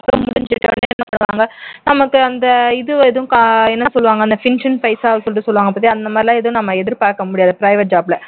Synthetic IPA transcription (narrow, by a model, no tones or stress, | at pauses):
kːɐmʊɽɪɲd͡ʒɪʈːɐ̰neɛnːɐpaːɽɐʋa̰ːŋɡɐnɐmɐkːɯɐnd̪ɐɪðɯɛðɐʊ̃kɛnːɐsɔlːɯʋaːŋɡɐnd̪ɐfɪnʂɐnfɐɪsaːʋsɔlɪʈ̬ːɯsɔlːʋaːŋɡɐpːat̪ːiɐnd̪ɐmaːd̪ɾɪlãːɛðɐʊ̃nɐmːɐɛðɪɾpaːɾkɐmʊɽɪjaːðɐpɾɐɪʋɐʈ̚d͡ʒaːblɐ